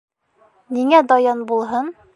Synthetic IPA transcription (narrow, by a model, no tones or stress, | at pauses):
niŋæd̪ɒjɑnbulˠɦɤn